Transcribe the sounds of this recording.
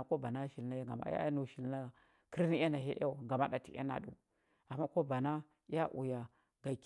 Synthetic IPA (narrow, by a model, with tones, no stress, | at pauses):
ko˦ba˨na˦ʃi˨lna˦ja˦ɡa˨ma̰˦a̰˦nu˨ʃi˨lna˦ | ki˦ɾni˦a˦na˨ɦḛ˦ʔa˦˨ɡa˨ma˦da˨tḭ˨ʔa̰˦na̰˨dṵ˨ | a˨mːa˦ko˦ba˨na˦ | ja˦ʔṵ˨ja˨ | ɡa˨k